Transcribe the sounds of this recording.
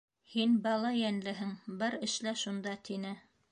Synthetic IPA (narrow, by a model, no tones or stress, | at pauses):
hinbɑlˠɑjænlɘɦɘŋbɘɾɘ̆ʃlæʃund̪ɑt̪ʰinɘ